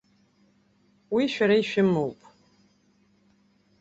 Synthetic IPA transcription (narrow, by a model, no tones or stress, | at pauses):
wiʃᶣaɾaiʃᶣɪmːɨwpʼ